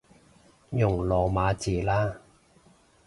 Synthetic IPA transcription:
jʊ˨˩ŋlɔː˨˩maː˨˧t͡siː˨˩laː˥

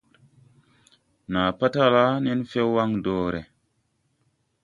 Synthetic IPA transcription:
na˨pa˦ta˦la˦ne˦nfe˦wːa˦ŋdoː˨ɾe˨

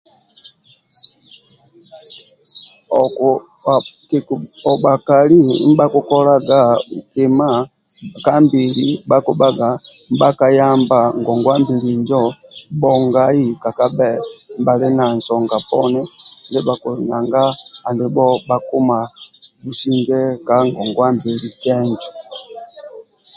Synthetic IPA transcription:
kɔ˨ɓa˨ka˨li˦m̩˦ba˦ku˦kɔ˦la˦ɡa˦˨u˨ki˨ma˦˨ | ka˦mbi˨li˨˦ba˦ku˨ba˦ɡa˨ | m̩˦ba˦ka˨˦ja˦mba˨ŋɡɔ˨ŋɡwa˦mbi˨li˨nd͡ʒɔ˦bɔ˨ŋɡa˨i˦ka˨ka˦bɛ˦m̩˦ba˨lɛ˦na˨n̩˨sɔ˨ŋɡa˨pɔ˦nɛ˦˨ndɛ˦ba˨ku˨na˨ŋɡaː˦˨ndɛ˨bɔ˦ba˦ku˦ma˨bu˨si˦ŋɡɛ˦ka˦ŋɡɔ˨ŋɡwa˦mbi˨li˨kɛ˦nd͡ʒɔ̥˨

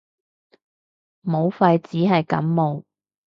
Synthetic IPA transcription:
mo˨˧wfɐ˧jt͡siː˨˥ɦɐ˨jkɐ̰˨˥mmo˨˧w

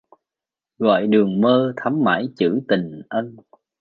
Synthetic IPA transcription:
ɣɔ̰ː˧˨jɗɨ˨˩əŋməː˧t̪ʰa˨˦mma̰ː˧˩jt͡ɕɨ̰˧˥t̪i˨˩ŋʔə˧n

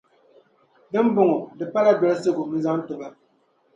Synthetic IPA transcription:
dɨ˦m˦bʊ˨ŋɔ˨dɨ˨pa˦la˦dɛ˨lɨ˦sɨ˦ɡʊ˨n̩˦za˦n˦tʊ˨ba˦

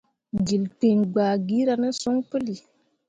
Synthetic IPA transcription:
d͡ʒi˨lti˨nɡ͡baː˨ɡi˦ɾa˧nə˦so˦ŋku˦li˨

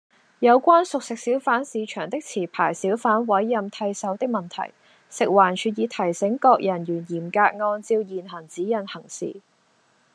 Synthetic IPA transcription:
jɐ˨˧wkʷaː˥nsʊ˨k̚sɪ˨k̚siː˨˥wfaː˨˥nsiː˨˧t͡ʃʰœː˨˩ŋt̪ɪ˥k̚t͡sʰiː˨˩pʰaː˨˩jsiː˨˥wfaː˨˥nwɐ˨˥jːɐ˨˧mt̪ʰɐ˧jsɐ˨˥wt̪ɪ˥k̚mɐ˨˩nt̪ʰɐ̰˨˩j | sɪ˨k̚waː˨˩nt͡ʃʰyː˨˩t̚jiː˨˧t̪ʰɐ˨˩jsɪ˨˥ŋkɔː˧k̚jɐ˨˩njyː˨˩njiː˨˩mkaː˧k̚ŋɔː˧nt͡siː˧wjiː˨nɦɐ˨˩ŋt͡siː˨˥jɐ˨˩nhɐ˨˩ŋsḭː˨˩

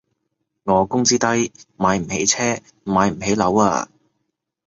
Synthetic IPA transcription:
ŋɔː˨˧kʊ˥ŋt͡siː˥t̪ɐ˥jmaː˨˧jm̩˨˩he˨˥jt͡sʰɛː˥ | maː˨˧jm̩˨˩he˨˥jlɐ˨˥wa̰ː˧

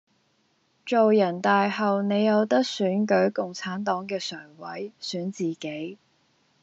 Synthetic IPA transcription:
t͡ʃo˨wjɐ˨˩nt̪aː˨jhɐ˨wne˨˧jːɐ˨˧wt̪ɐ˥k̚syː˨˥nkɵ˨˥ɥkʊ˨ŋt͡sʰaː˨˥nt̪ɔː˨˥ŋkɛː˧sœː˨˩ŋwɐ̰˨˥jsyː˨˥nt͡siː˨ke˨˥j

